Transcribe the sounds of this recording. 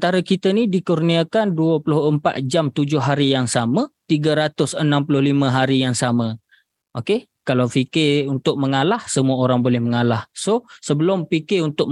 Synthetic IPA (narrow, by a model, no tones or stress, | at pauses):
ənt̪aɾəkit̪ənidikurniakanduəplʊhəmpa̰t̪̚d͡ʒamt̪ud͡ʒʊɦaɾijaŋsamət̪iɡaɾat̪ʊsənãmpulʊhlimə̃ɦaɾijaŋsamə | ʔoke | kalawfikɪunt̪ʊk̚məŋalahsəmuaoɾaŋbolɛhməŋalahsosəbəlʊmpikɪunt̪ʊk̚